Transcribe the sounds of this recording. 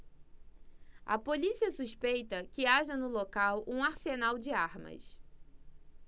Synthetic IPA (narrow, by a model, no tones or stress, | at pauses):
ɐ̰polisiɐsuʃpejt̪ɐkɪaʒɐnʊlokawʔũaɾsenawd͡ʒɪaɾmɐ̰s